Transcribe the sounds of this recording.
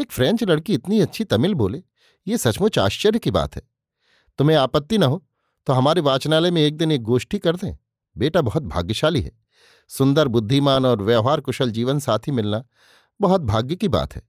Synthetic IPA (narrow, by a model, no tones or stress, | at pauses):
eːkfɾɛ̃ːɲt͡ʃlɐɽkiɪt̪niɐtːʃʰit̪ɐmɪlboːleː | jesɐt͡ʃmʊt͡ʃʰa̰ːʃt͡ʃəɾjəkiba̰ːt̪ɦɛː | t̪ʊmẽaːpət̪ːinɐɦoː | t̪oɦɐmaːɾeʋaːt͡ʃnaːlemẽeːk̚d̪ɪneːk̚ɡoːʃʈikɐɾd̪ẽ | beːʈabɐɦɔt̪̚bʱa̰ːɡjəʃaːliɦɛ̰ː | sʊ̃nd̪əɾbʊd̪ʱːimaːnɔːɾʋɛːɦaːɾkʊʃəld͡ʒiːʋənsaːt̪ʰɦimɪlna | bɐɦɔt̪̚bʱaːɡjəkiba̰ːt̪ɦɛ̰ː